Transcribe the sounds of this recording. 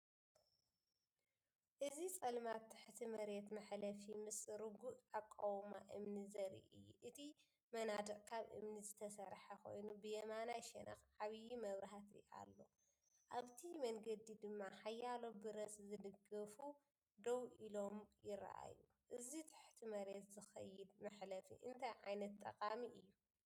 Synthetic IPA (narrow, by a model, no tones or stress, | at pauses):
ʔɨzit͡sʼɐlmat̪ʰːɨħt̪ʰimɐɾet̪mɐħlɐfimɨsɾɨɡuʔakʼːɐwma̰ʔɨmnizɐɾḭʔɨ̰jːuʔɨt̪ʰi | mɐnad̪ɐʔʼkʰaβʔɨ̰mnizɨt̪ʰɐsɐɾħako̞̰jnubɨjɐmanajʃɛnʔɐ̰xʕaβjimɐβɾɐɦat̪ḭa̰lːo̞ | ʔaβt̪ʰimɐŋɡɐd̪id̪ɨmːaħajːalo̞bɨɾɐszɨd̪ɨɡɐfu | d̪ɐwʔilo̞mjɪɾ̰ʔa̰ju | ʔɨzit̪ʰḁħt̪ʰimɐɾet̪zɨxɐ̰jːɪd̪mɨħlɐfḭʔɨnt̪ʰajʕajnɐt̪ʼːɐkʼamiʔɨjːu